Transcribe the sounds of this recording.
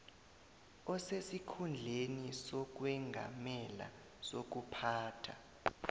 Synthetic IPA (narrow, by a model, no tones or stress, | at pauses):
ɔsesikʰund͡ɮʱenisɔk̬wɛŋɡʱa̰mɛla̰ | sok̬upʰaːtʰa̰